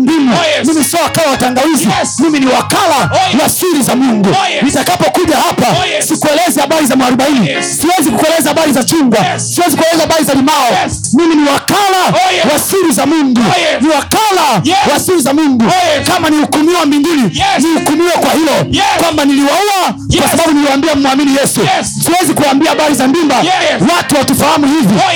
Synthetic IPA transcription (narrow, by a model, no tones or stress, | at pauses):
mbimamimisiɔwakalawataŋɡaizimiminiwakalawasiɾizamundunitakapɔkuʄahapasikuɛlɛzɛhaɓaɾizamaaɾuɓainisiwɛzikukuɛlɛzahaɓaɾizat͡ʃuŋɡwasiwɛzikuɛlɛzahaɓaɾizalimaɔ | miminiwakalawasiɾizamunduniwakalawasiɾizamundukamaniukumiwamiŋɡininiukumiwɛkwahilɔkwambaniliwaɔakwasaɓaɓuniliwaːmbiam̩mwaminijɛsu | siwɛzikuaːmbiahaɓaɾizambimbawatuwatufahamuhivɔ